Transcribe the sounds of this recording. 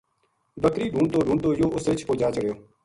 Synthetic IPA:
bəkɾiːɖʱuːɳt̪oːɖʱũːɳt̪oːjoːʔʊsɾɪt͡ʃʰpoːd͡ʒaːt͡ʃəɽjoː

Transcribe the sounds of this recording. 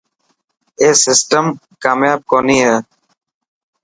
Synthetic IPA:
eːsɪsʈəm | kaːmjaːb̚koːnĩːɦɛː

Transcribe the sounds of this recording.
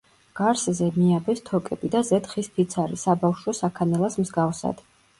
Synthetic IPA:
ɡ̥aɾszɛmiabɛst̪ʰɔkʼɛbid̪azɛt̪χispʰit̪sʰaɾisabafʃwɔsakʰanɛlˠasmzɡafsa̰d̪̥

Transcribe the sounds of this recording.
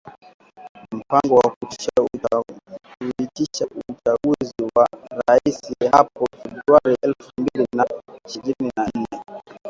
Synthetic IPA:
m̩paŋɡɔwakuti̥ʃa | uitiʃaut͡ʃaɡuziwaɾaisihapɔfɛbɾuaɾiʔɛlfumbilinaʃiɾininann̩nɛ

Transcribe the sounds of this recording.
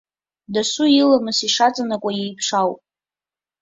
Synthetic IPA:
dasʊilamɨsiʂat͡sʼanakʷʼajejpʰʂawpʼ

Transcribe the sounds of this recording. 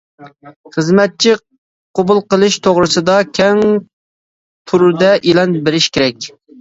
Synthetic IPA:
χəzmɛt̪̚t͡ʃʰi | qʰobulˠqəlˠɨʃt̪ʰoʁɾɨsɨd̪ɑkʲʰɛŋ | p̪ʰuɾd̪ɛʔilɛnbɪɾɪʃkʲʰeɾɛk̚ʲ

